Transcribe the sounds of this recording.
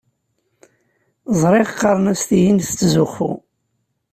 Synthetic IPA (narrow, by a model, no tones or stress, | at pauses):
zˤɾˤeʁqːɑɾˤnæst̪ijinθt͡sːzʊχːṵ